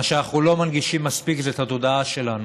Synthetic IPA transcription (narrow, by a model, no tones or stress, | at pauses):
aʃeanaχnulo̞manɡiʃimːaspikzeːt̪hat̪o̞daaʃe̞lan